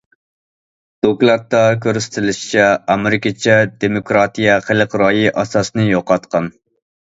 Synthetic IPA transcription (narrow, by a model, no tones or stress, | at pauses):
d̪̥okʲlˠɑt̪ːɑk̬ʲʰøɾst̪ʰɪlɪʃi̥t͡ʃʰɛɑmeɾɪkʲɑt͡ʃʰɛd̪emokɾɑːt̪ijɛχəlˠəqɾɑjiʔɑsɑsnɨjoqɑt̪qʰɑn